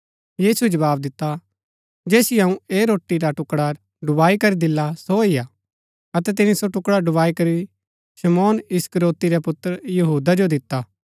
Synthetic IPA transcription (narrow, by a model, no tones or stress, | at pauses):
jiːsud͡ʒɐʋaːb̚d̪ɪt̪ːa | d͡ʒeːsiɐũeːɾoːʈːiɾaʈʊkɽa | ɖʊbaːikɐɾid̪ɪlːasoija | ɐt̪ɛt̪ɪnisoʈʊkɽaɖʊbaːikɐɾi | ʃɐmɔːnɪskəɾoːt̪iɾɛpʊt̪ːəɾjɐɦuːd̪ad͡ʒod̪ɪt̪ːaː